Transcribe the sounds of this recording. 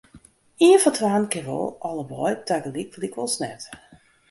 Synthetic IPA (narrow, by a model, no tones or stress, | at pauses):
iənfɔtʰʋaːnkɪʋɔ̰lˠɔlˠəbɔjtaɡəlikəlikʋɔlˠsnɛ̰t